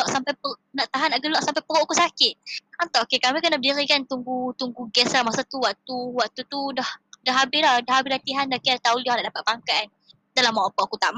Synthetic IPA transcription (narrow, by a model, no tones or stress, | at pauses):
ɔʔsampajpənaʔt̪aɦanaʔɡəlɔʔsampajpəɾɔʔkusakɪt̪̚ant̪ɔʔokekamikənadiɾikant̪uŋɡut̪uŋɡuɡɛslamasat̪uwaʔt̪uwaʔt̪ut̪udahdaɦabɪhlahdaɦabɪhlat̪iɦandakiat̪aulianaʔdapat̪̚paŋkaʔn | dalamaapɔʔakut̪aʔma